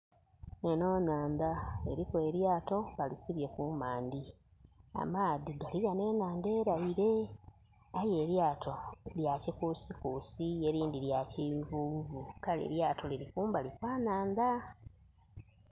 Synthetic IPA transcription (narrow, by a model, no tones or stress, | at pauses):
neno̞ːnaːnd̪ae̞ɾikwe̞ːɾjaːto̞βalisiβje̞kumaːndi | a̰maːðiɡaliɣane̞ːnaːnde̞ːɾaiɾe̞ | aje̞ɾjaːtʰo̞ljacikusikuːsieɾiːndiljacivuβukalḛɾjaːtʰo̞liɾikuːmbalikwaːnaːnd̪a